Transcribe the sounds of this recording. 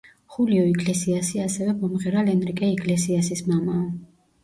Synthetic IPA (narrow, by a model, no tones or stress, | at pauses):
χuliɔiɡʼlɛsiasiasɛvɛbɔmʁɛɾalɛnɾikʼɛiɡʼlɛsiasismamaɔ